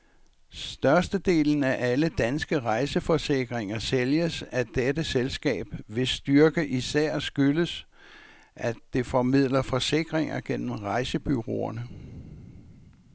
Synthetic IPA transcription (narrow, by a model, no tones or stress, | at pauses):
sd̥ɶɐsd̥əd̥e̝̰ːln̩æʔæləd̥ænsɡ̥əʁɑ̈ɪsəfɒ̽se̝ɡ̥ʁeŋɐseljəsæd̥edəselsɡ̥ɛ̰ːb̥ʋe̝sd̥yɐɡ̥əʔisæɐ̰sɡ̥yləs | ʔæd̥e̝fɒ̽mið̰ˠlɐfɒ̽se̝ɡ̥ʁeŋɐɡ̥en̰m̩ʁɑ̈ɪsəb̥yʁo̝̰ːɐnə